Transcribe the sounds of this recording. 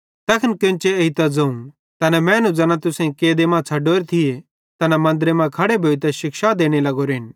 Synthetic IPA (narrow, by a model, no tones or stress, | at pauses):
t̪ɐkʰɐnkɪ̃nt͡ʃeeit̪ɐd͡zɐũ | t̪ɐnɛmɛ̃ːnũd͡zɐnãt̪ʊsẽĩkeːd̪emãt͡sʰɐɖoːɾet̪ʰije | t̪ɐnamɐ̃nd̪ɾemãkʰɐɽebʱoːit̪ɛʃɪkʃad̪eːɽ̃elɐɡoɾɪn